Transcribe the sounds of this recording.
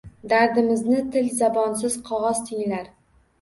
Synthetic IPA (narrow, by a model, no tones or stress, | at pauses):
d̪aɾd̪ɪmɪznɪt̪ʰɪlzabɒns̬ɪz̥qʰɒʁɒz̥t̪ʰɪŋlaɾ